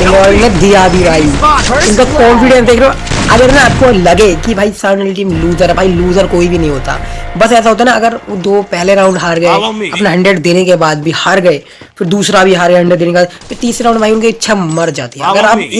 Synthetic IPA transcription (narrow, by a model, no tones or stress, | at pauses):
ɪaɾned̪ijabʱibʱaːiɪnkakɔ̃ːmfɪɖɛ̃nsd̪eːkʰɾeoɐɡəɾnaaːp̚kolɐɡekibʱaːisaːɳlʈiːmluːzəɾbʱaːiluːzəɾkoːibʱinɐɦĩɦoːt̪a̰ːbɐsɛːs̬aɦoːt̪aɦɛnaɐɡəɾod̪oːpɛɦleɾãːʊ̃ɳɖɦaːɾɡɐeɐpneɦɐ̃ɳɖɾəɖd̪eːnekebaːd̪̚bʱihaɾɡɐe | fʰɪɾd̪uːsɾabʱiɦaːɾɡəɦɐ̃ɳɖɾəɖd̪eːnekebaːd̪pɪɾt̪iːsɾeɾãːʊ̃ɳɖbʱaːiʊnket͡ʃʰɐmɐɾd͡ʒa̰ːt̪iɦɛ̃ɐɡəɾaːp